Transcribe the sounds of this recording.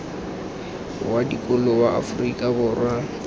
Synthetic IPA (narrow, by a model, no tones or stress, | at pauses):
wadikʼʊlɔbaa̰frikʼabʊrwa